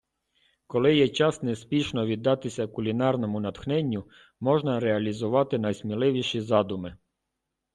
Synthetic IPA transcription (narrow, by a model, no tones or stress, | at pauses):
kɔlˠɪjɛt͡ʃɑsnɛspʲiʃnɔʋʲid̪ːɑt̪ɪsʲɐkʊlʲinɑrnɔmʊnɐt̪xnɛnʲːʊ | mɔʒnɐɾɛɐlʲizʊʋɑt̪ɪnɐjsmʲilˠɪʋʲiʃizɑd̪ʊmɪ